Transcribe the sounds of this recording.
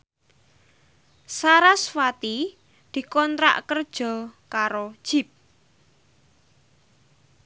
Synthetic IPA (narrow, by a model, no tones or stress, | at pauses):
saɾaswat̪i | d̪̥i̤kɔnt̪ɾa̰ʔkərd̥ʒ̥ɔ̤kaɾod̥ʒ̥i̤p̚